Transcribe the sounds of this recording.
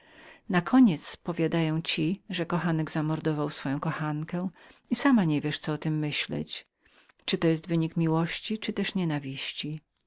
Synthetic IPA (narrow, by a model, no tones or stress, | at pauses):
nakʰɔɲɛt̪spɔvʲjad̪ajɔ̃w̃t͡ɕiʐɛkɔxanɛɡzamɔɾd̪ɔvawsfɔjɔ̃w̃kɔxankɛ̃isamaɲɛvʲjɛʂt̪sɔɔt̪ɘmːɘɕlɛ̰t͡ɕ | t͡ʂɨt̪ɔjɛst̪vɘɲikmʲiwɔɕt͡ɕit͡ʂɘt̪ɛʂɲɛnavʲiɕt͡ɕi